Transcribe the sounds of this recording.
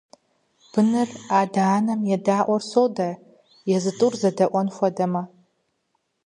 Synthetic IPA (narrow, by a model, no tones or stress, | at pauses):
b̥ɨnɨraːdaːnɐmjɛdaːʔʷɔrsoːwdɐ | jɛzɨtʼurzɐdɐʔʷɔnxʷɔdɐmɐ